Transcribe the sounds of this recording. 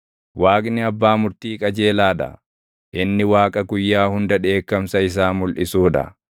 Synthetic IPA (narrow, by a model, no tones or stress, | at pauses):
waːkʼnɪɐbːaːmʊɾt̪iːkʼɐd͡ʒe̞ːlaːdɐ̰ | ʔɪnːɪwaːkʼɐɡʊjːaːhʊnd̪ɐᶑe̞ːkːɐmsɐɪs̬aːmʊlʔɪsuːᶑɐ̰